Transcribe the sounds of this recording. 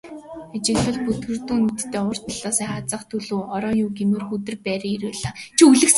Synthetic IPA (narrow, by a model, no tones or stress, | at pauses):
et͡ɕɪ̆ŋɮə̆ɮput̪ɡɘ̆rt̪uːnet̪t̪ːeːʊ̆r̥t̪ʰɔɮɔːsæːχat͡sə̆χt̪ʰːɵɮuːɔɾɔːjuːɡemɘ̆rxut̪̬ɘ̆rpæːɾiːiɾuːɮaːt͡ɕʰiuɮɘ̆ks